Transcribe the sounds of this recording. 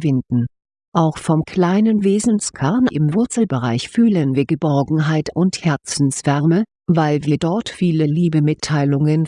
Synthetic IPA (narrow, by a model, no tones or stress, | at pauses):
vɪndn̩ | ʔaʊxfɔmkʰl̥aɪnənveːzn̩skʰɛɐnʔɪmvʊɐt͡sl̩bəʁaɪçfyːlənviːɐɡəbɔɐɡŋ̩ɦaɪtʊnthɛɐt͡sn̩sv̥ɛɐmə | vaɪlviːɐdɔɐtfiːləliːbəmɪtʰːaɪlʊŋən